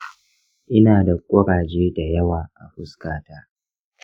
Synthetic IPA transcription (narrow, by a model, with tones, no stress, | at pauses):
ʔɪ˦naː˨da˨kʷʼʊ˦ɾaː˨d͡ʒeː˦da˨jɐ˦waː˨ʔa̰˨ɸʊ˦skaː˨ta˦